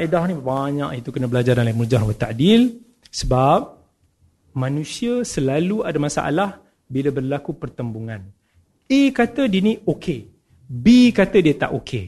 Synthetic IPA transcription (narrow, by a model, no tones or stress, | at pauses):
ʔidahnĩbaɲaʔit̪ukənə̃bəlad͡ʒaɾanlimurd͡ʒahɾwət̪a̰ʔdil | səbap̚ | mãnũsiasəlaluadamasa̰ʔa̰lah | bilabərlakupərt̪əmbuŋãn | ekat̪ədinĩokʰe | bikat̪ədiət̪a̰ʔokʰe